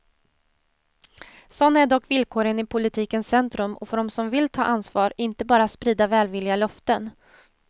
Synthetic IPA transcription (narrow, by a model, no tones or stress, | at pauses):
sɔnːaæɖɔkːvɪlkʰoːɾənɪpʰʊlɪt̪ʰiːkənssɛnt̪ɾɵmɔ̰fœɖɔmsɔmvɪlt̪ʰɑ̰ːʔansvɑːɾɪnt̪əbɑːɾat̪spɾiːd̪avɛːlvɪlːɪalœft̪ən